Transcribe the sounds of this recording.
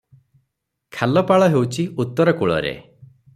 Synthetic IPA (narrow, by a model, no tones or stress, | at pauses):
kʰalɔpaɭɔɦewt͡ʃʰiut̪ːɔɾɔkuɭɔ̰ɾḛ